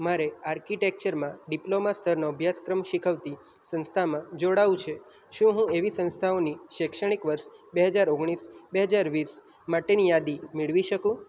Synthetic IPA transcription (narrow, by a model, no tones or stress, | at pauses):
maɾeaɾkiʈek̚t͡ʃəɾmãɖiplomast̪ʰəɾnoəbʱjaskɾəmʃikʰəʋt̪i | sə̃nst̪ʰamãd͡ʒoɽaʋũt͡ʃʰe | ʃũɦũeʋisə̃nst̪ʰaoniʃekʃəɽ̃ikʋəɾʃbeɦəd͡ʒaɾoɡɳ̃isbeɦəd͡ʒaɾʋis | maʈenijad̪imɪɭʋiʃəkũ